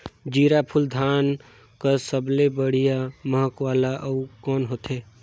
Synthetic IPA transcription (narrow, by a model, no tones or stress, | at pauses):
d͡ʒiːɾapʰuld̪ʱaːn | kəsəblebəɽ̤ijaməɦəkwaːlaʔəukɔːnɦoːt̪e